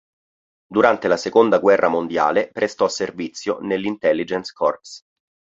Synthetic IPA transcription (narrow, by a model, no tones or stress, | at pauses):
d̪uɾant̪elasekond̪aɡwɛrːʔamond̪ja̰ːlepɾest̪ɔsːervit̪sːjonelːint̪ɛlːid͡ʒɛnskʰɔrps